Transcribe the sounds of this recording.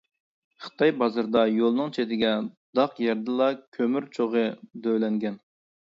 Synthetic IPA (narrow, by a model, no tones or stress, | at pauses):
χə̥t̪ʰɑjbɑzɨɾd̪ɑjolˠnɨŋt͡ʃʰet̪ɪɡʲɛ | d̪ɑqjɛɾd̪ɨlˠɑkʲʰømyɾt͡ʃʰoʁəd̪øwlɛŋɡʲɛn